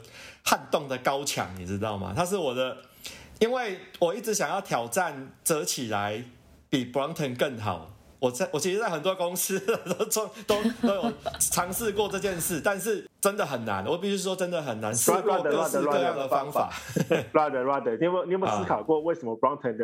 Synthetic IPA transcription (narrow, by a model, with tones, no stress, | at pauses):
ha˥˧nt̪ɔ˥˨˩ŋd̪ə˨kɑ˦ʊt͡ɕʰjɑ̰˨˦ŋnḭ˨˩ʈ͡ʂɻ̩˦˥t̪ɑ˥˩ʊma̰˩t̪ʰa˥ʂ̬ɻ̩˥˩wɔ˨˩d̪ə˦ | i˥nwe˥˩ɪwɔ˨˩i˥˩ʈ͡ʂɻ̩˧˥ɕja˨˩ŋjɑ˥˩ʊt̪ʰjɑ˨˩ʊʈ͡ʂa˥˨nt͡sə˨˦t͡ɕʰi˨˩la˧˦ɪ | pi˨˩pɹɑ˦˥ŋt̪ʰə˨˧nkə˥˩ŋɦɑ̰˨˩ʊ | wɔ˨˩t͡sa˥˩ɪwɔ˨˩t͡ɕʰi˧˥ʂ̩˧t͡sa˥ɪɦə˨˩nt̪wɔ˦˥ko˥ŋs̩˥a˦t̪o˥ʊ˥t̪o˥˦ʊo˥ʊjo˨˩ʊʈ͡ʂʰɑ˨˥ŋs̩˥˧kwɔ˥˧ʈ͡ʂɤ˥˧t͡ɕjɛ˥˧nʂɻ̩˥˩t̪a˥˧nʂ̬ɻ̩˥˩ | ʈ͡ʂə˦nd̪ə˨ɦə˨˩nːa̰˧˦nwɔ˨˩p̬i˥˩ɕ̬y˧˥˩ʂwɔ˥ʈ͡ʂə˦nd̪ə˨ɦə˨˩nːa˧˦nsɔ˥˧˥ə˨˧kə˥˧jɑ˥˩ŋd̪ə˨˩fɑ˦ŋfa̰˨˩˦a˥˧d̪ə˨wa˥˩d̪ə˨i˥˧˩nɛ˥˦pskʰɑ˨˩ʊkwɔ˥˧˨we˥˩ɪʂə˧˦mə˧pɹɑ˦˥ŋt̪ʰə˧nd̪ə˧